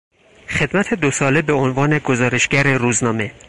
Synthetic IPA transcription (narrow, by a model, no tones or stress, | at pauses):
xe̞d̪mæt̪ʰed̪osɒːlebe̞onvɒːne̞ɡozɒːɾe̞ʃɡ̥æɾe̞ɾuːznɒːme̞